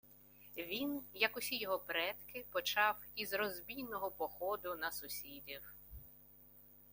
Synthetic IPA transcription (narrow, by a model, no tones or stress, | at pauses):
ʋʲinjɐkʊsʲijɔɦɔpɾɛd̪kɪpɔt͡ʃɑwizrɔzbʲijnɔɦɔpɔxɔd̪ʊnɐsʊsʲidʲiw